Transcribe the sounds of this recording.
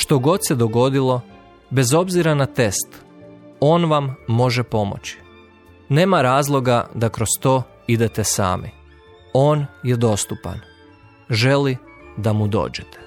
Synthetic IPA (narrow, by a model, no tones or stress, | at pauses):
ʃt̪o̞ɡo̞d̪sed̪o̞ɡo̞d̪ilˠo̞ | be̞zo̞bziɾanat̪e̞st̪ | o̞ːnʋamːo̞ʒepo̞mo̰t͡ɕi̥ | ne̞ːmaɾaːzlˠo̞ɡad̪akɾo̞st̪o̞ː | id̪e̞t̪esa̰ːmḭ | o̞ːnjed̪o̞st̪upa̰n | ʒe̞lid̪amud̪o̞̰ːd͡ʒet̪ʰe̥